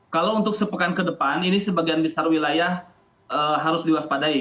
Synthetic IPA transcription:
kalawunt̪ʊk̚səpəkankədəpaninisəbaɡianbəsarwilajah | əɦaɾʊsliwaspadai

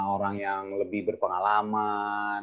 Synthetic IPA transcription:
oɾaŋjaŋləbɪhbərpəŋalama

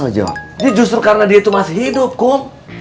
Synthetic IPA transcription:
od͡ʒɔ̰diad͡ʒust̪ɾukaɾənadiait̪umasɪɦidʊp̚kʊm

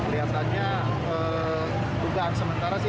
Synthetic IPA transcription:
əɾiasanɲa | ə | d̪uɡaːnsəmənt̪aɾasɪ

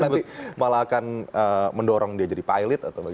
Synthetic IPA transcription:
nanimalaːkanəməndɔɾɔŋdiad͡ʒadipajlɪt̪at̪awba

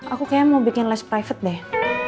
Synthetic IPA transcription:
akukajamawbikɪnlaspɾajfət̪̚dɛ

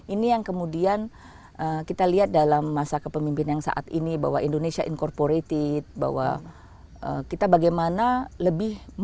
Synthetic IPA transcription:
inijaŋkəmudian | ʔəkit̪aliɦat̪̚dalamːasakəpəmimpɪnjaŋsa̰ʔa̰t̪ḭniba̰waindonesiaʔinkɔrpoɾet̪ɪt̪̚ba̰wa̰ | ʔə̰kit̪abaɡajmanaləbɪh

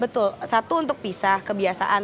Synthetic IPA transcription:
bət̪ʊlsat̪uːnt̪ʊk̚pisahkəbiasa̰ʔan

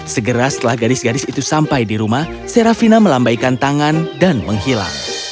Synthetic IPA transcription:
səɡəɾasə̥t̪əlahɡadɪsɡadɪsit̪usampajdiɾumah | seɾafinaməlambajkant̪aŋandanməŋɦila̰ŋ

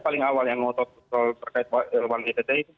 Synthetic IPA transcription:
palɪŋawaljaŋːɔt̪ɔt̪̚əsalt̪ərkaɪt̪̚walbankit̪ad͡ʒait̪

